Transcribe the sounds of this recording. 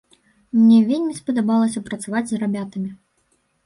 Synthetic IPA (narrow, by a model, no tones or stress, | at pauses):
mnʲɛvʲelʲmʲispɐd̪abalˠɐsʲɐpɾɐt̪savad͡zʲzrabʲat̪ɐmʲi